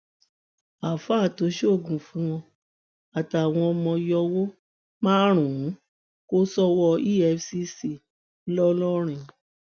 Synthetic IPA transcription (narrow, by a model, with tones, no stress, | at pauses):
a˨fa˦˨to˨˦ʃe˦o˦˨ɡũ˨fũ˨˦w̃ɔ̃˧ | a˨ta˨w̃ɔ̃˧ɔ˧mɔ̃˧jɔ˧wo˦ | mãː˦ɾ̃ũ˨˦ | ko˦sɔ˦wɔ˧i˦ɛ˧fsi˧˦si˨ | n̩˦lɔ˦lɔ˦ɾ̃ĩ˧˨